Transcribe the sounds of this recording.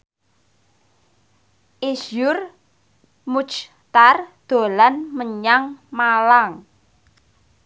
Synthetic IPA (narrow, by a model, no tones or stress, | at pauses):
ʔisjʊr | mut͡ʃ | t̪ard̪̥o̤lanməɲaŋmalaŋ